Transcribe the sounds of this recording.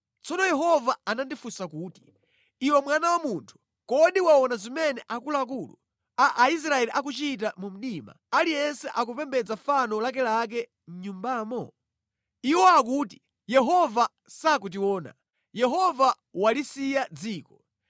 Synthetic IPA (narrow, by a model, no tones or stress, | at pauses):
t͡sɔnɔjɛɦɔvaanandifusakuːti̥ | iwɛmwanawamuntʰu̥ | kɔɗiwaɔnazimɛnɛʔakulak̬ulṵ | aʔais̬ɾaɛliʔak̬ut͡ʃit̬amum̩ɗima̰alijɛnsɛʔak̬upɛmbɛd͡zafanɔlak̬ɛlak̬ɛ | n̩ɲumbaːmɔ | iwɔak̬uːti̥ | jɛɦɔva | sak̬ut̬iwɔːna̰ | jɛɦɔva | walisijad͡ziːkɔ